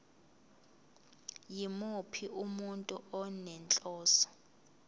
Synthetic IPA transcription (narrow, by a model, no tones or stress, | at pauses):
jimupʰiʔumuntʼuɔnɛnt͡ɬʼɔːsɔ̥